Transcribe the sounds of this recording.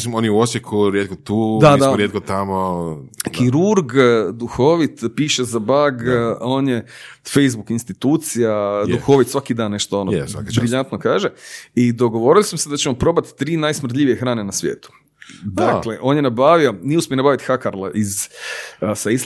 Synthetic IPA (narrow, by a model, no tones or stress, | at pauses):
simonjeuosjekʰuɾjet̪̚kot̪uːd̪aaiaoɾjet̪̚kot̪amokiɾuɾɡd̪uxo̞ːʋit̪piːʃezabaɡo̞ːnjefe̞jzbukinst̪it̪uːt̪sijajd̪uxo̞ʋit̪sʋakid̪aːnːe̞ʃt̪oonojsa̰kibɾiʎant̪nokaːʒeid̪o̞ɡo̞ʋo̞ːɾilˠismosed̪at͡ɕemopɾo̞ːbat̪ːɾiːnajsmr̩t̪̬ʎʲiʋijexɾaːnenasʋjḛːt̪u̥ | d̪akleʔo̞ːnjenabaʋio̞nijeuspʲjonabaʋit̪xakaɾlˠaʔiz | sais